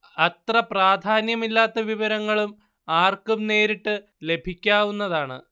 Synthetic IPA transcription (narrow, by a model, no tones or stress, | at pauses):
ɐt̪rɐpraːd̪ʱaːnjɐmilːaːt̪ːɐʋiʋɐɾɐŋːɐɭum | aːrkumne̞ːɾiʈːɨ | le̞bʱikʲːaːʋunːɐðaːɳɨ̰